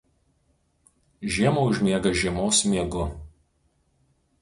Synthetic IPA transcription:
ʒʲiɛmoʊʒʲmʲiɛɡɐʒʲiɛmoːsmʲiɛɡʊ

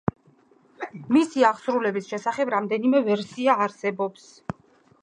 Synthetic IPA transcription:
misiaʁsɾulɛbisʃɛsaχɛbɾamd̪ɛnimɛvɛɾsiaːɾsɛbɔps

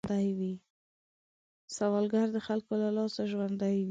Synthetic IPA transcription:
d̪ajwi | sawɑlɡaɾd̪əxalkolalɑsaʒwand̪ajwi

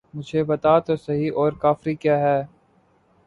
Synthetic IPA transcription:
mʊd͡ʒʱebɐt̪at̪osɐɦiʔɔːɾkaːfɾikjaːɦɛː

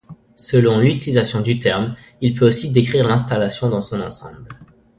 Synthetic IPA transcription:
səlɔ̃lyt̪ilizasjɔ̃d̪yt̪ɛʁm | ilpøosid̪ekχiʁlɛ̃st̪alasjɔ̃d̪ɑ̃sɔ̃nɑ̃sɑ̰̃bl

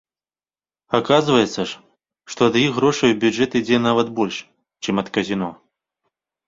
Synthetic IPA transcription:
akazɨvɐjɛt̪sːɐʂ | ʂt̪ɔd̪ixɣːɾɔʂɐjwbʲuʐɛt̪id͡zʲɛnavɐt̪bɔlʲʂ | t͡ʃɨmɐt̪kɐzʲinɔ

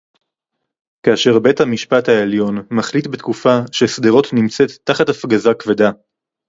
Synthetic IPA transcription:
kaːʃe̞ʁbe̞thamiʃpathaeljo̞nmaχlitbetkufaʃesdeʁo̞tnimt͡se̞t̪ːaχatafɡazakveda

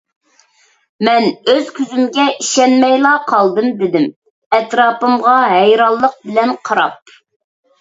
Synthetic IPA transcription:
mɛnøz̥kʲʰyzymɡʲɛʔiʃɛnmɛjlˠɑːqʰɑlˠd̪ɨmd̪ɪd̪ɪm | ɛt̪ɾɑːpɨmʁɑɦɛjɾɑlˠːəq̚bɪlɛnqʰɑɾɑp̚

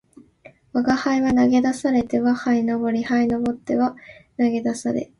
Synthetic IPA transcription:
βaɡahaiβanaɡe̞d̪asaɾe̞t̪e̞βahaino̞bo̞ɾʲihaino̞bo̞t̪ːe̞βanaɡe̞d̪asaɾe̞̰

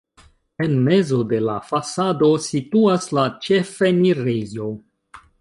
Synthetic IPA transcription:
e̞nme̞zo̞de̞la̰fasadosituaslat͡ʃefeniɾezo̞

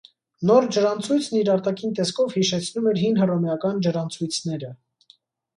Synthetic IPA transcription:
nɔɾd͡ʒəɾɑnt͡sʰujt͡sʰniɾɑɾt̪ɑkʰint̪ɛskʰɔvhiʃɛt͡sʰnumɛɾɦinɦərɔmɛɑkɑnd͡ʒəɾɑnt͡sʰujt͡sʰnɛɾə

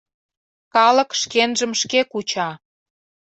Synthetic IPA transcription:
kɑlə̆kʃkenʒə̆mʃkekut͡ɕɑ

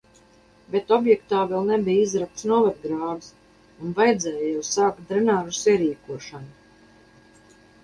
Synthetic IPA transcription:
bet̪ɔbjɛkt̪aːvɛlˠnɛbijizɾak̚t̪snuɔvat̪̚ɡɾaːvis | unvajd̪zɛːjjawsaːk̚t̪̚d̪ɾɛnaːɾusiɛɾiːkuɔʃanu

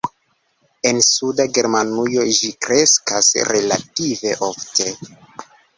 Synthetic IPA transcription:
e̞nsudaɡe̞ɾmanujo̞ʒikɾe̞skasɾe̞la̰tive̞ʔo̞fte̞

